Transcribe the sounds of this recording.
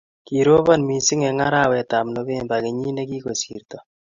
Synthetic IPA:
ki˨ɾo˦βɔ˦nmi˨sɪ˦ŋɛ˨ŋa˦ɾa˦˨wɛ˨ta˨mno˦be˦mba˨ke˨ɲi˦ne˦ki˦ko˨sḭ˨ɾt̪ɔ˨

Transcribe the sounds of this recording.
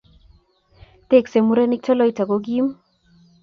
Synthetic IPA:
t̪e˦˨kse˨mu˦ɾe˦ni˦k̚tɔ˦lɔ˦i˨ta˨ɡo˦ɡi˦m

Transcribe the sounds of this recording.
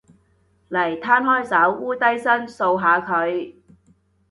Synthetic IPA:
lɐ˨˩jt̪ʰaː˥nɦɔː˥jsɐ˨˥wːuː˥t̪ɐ˥jsɐ˥nso˧wɦaː˨˧kʰɵ˨˧ɥ

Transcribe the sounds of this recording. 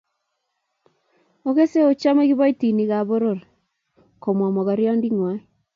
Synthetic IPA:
o˦ɣe˦se˦o˨t͡ʃa˦me˦ɣi˦βa˦i˦ti˨ni˨ɣa˨βo˦ɾo˨ɾe˨ | ko˨mwa˨mo˨ɣa˨ɾjɔ˦ndi˦ŋwa˦i

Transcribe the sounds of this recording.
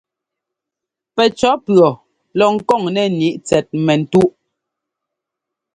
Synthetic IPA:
pɛ˨t͡ʃɔ˨˦pɰɔ˨ | lɔ˨ŋ̩˨kɔ˦˨ŋnɛ˨ni˦ʔt͡sɛ˨t̚mɛ˨n̩˨tu˦ʔ

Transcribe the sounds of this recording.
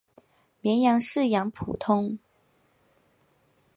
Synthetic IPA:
mjɛ˧˥njɑ˧˥ŋʂɻ̩˥˩jɑ˧˥ŋpʰṵ˨˩t̪ʰʊ˥ŋ

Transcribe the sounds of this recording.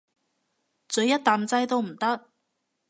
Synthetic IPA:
t͡sɵ˨˧˥jɐ˥t̚t̪ːaː˨mt͡sɐ˥jt̪o˥wm̩˨˩t̪ɐ˥k̚

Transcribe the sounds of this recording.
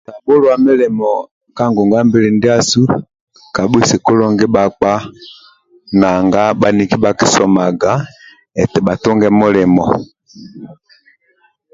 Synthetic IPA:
ta˨ɓo˦lɔ˦a˨me˦lɛ˨mɔ˨ | ka˦ŋɡu˨ŋɡa˦mbi˦li˨ndi˦a˦su˦ | ka˨ɓu˦si˨ku˦lɔ˦ŋɡɛ˦ɓa˨k͡pa˦ | na˨ŋɡa˦ɓa˨ni˨ki˦ɓa˨ki˦sɔ˨ma˨ɡa˨˦ | ɛ˨tɛ˨ɓa˨tɔ˦ŋɡɛ˦mo˦lɛ˨mɔ˨

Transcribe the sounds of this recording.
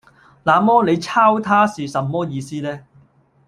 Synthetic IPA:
laː˨mɔː˥ne˨˧jt͡sʰaː˥wt̪ʰaː˥siː˨sɐ˨˧mːɔː˥jiː˨˧siː˥lɛː˥

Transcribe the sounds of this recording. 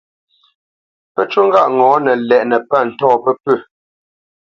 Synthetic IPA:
pə˦t͡ʃu˦ŋ̩˦ɡa˦ʔŋɔ̃ː˨˦nə˨lɛ˨ʔnə˨pa˦˨n̩˨tɔː˦˨pə˦pʉ˦˨

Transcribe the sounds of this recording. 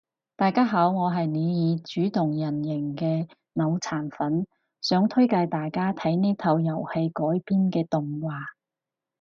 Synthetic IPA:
t̪aː˨jkaː˥ɦaː˨˥wŋɔː˨˧ɦɐ˨jni˨˧jiː˨˧t͡ʃyː˨˥t̪ʊ˨˩ŋjɐ˨˩njɪ˨˩ŋkɛː˧ | nɐ˨˧wt͡sʰaː˨˩nfɐ˨˥n | sœː˨˥ŋt̪ʰɵ˥jkɐ˧jt̪aː˨jkaː˥t̪ʰɐ˨˥jni˥t̪ʰɐ˧wjɐ˨˩whe˧jkɔː˨˥jpiː˥nkɛː˧t̪ʊ˨ŋwaː˨˩

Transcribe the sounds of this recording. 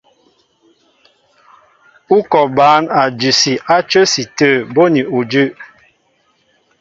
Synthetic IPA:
u˦kɔ˨baː˨˦na˨d͡ʒʉ˨si˨ʔa˦t͡ʃə˦si˨tə˦˨bo˦ni˨u˨d͡ʒʉ˦˨

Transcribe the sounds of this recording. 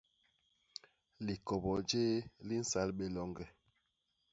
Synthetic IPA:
li˨kɔ˨bɔ˨d͡ʒeː˦li˦n̩˦sa˨˦lɓe˨lɔ˦ŋɡɛ˨

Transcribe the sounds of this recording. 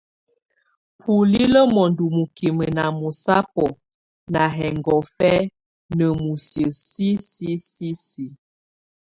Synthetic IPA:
pʰu˨li˦lə˦mɔ˨ndu˨mu˨ki˨mə˨na˨mu˨sa˦pɔ˨ | na˨ɦɛ˨ŋɡɔ˨fɛ˦ | nə˨mu˨sjə˨si˦si˦si˦si˨

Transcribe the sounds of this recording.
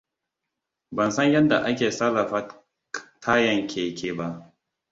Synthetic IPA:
bɐ˨nsɐ˦ɲjɐ˦nda˨ʔa˦kʲeː˨sɐ˦lːɐ˨ɸaː˦ | tʰaː˦jɐ˨ŋkʲʰeː˨kʰʲeː˨ba˦ʔ

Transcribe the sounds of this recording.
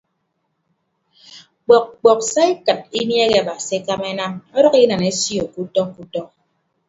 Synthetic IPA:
k͡pɔ˨k̚k͡pɔ˨k̚sa˦i˦kɨ˨t̚i˦mje˦ɣe˨a˨ba˨si˨˦e˦ka˦me˦na˦mɔ˦ɾɔ˦ki˦na˨ne˦sjo˨ku˦tɔ˦ŋ˦ku˦tɔ˦ŋ

